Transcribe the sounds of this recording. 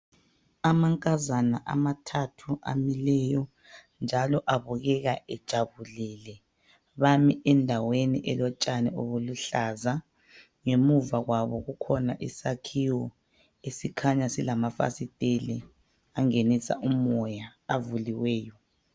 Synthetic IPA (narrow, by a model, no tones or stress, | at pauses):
amaŋkʼazanaʔa̰matʰatʰuʔa̰milɛjɔ | nd͡ʒʱalɔʔaβuɣɛɣaʔɛd̥ʒ̥ʱaβuliːlɛ | βamiʔɛndʱaweniʔɛlɔt͡ʃʼanɛoβuluɬaza | ŋemuvaɣwaβɔɣukʰɔnaʔisakʰiwɔ | esikʰaɲasilamafa̰sitʼeli | aŋenisa̰ʔumɔjaːvuliwɛːjɔ